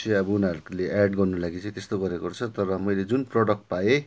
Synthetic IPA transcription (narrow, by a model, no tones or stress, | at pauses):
eʌbʌunaɾukuleʔaɖɡʌrnulaɡit͡sʌ̃j̃t̪est̪oɡʌɾekort͡sʰʌt̪ʌɾʌmʌjled͡zunprʌɽʌk̚ʈpaje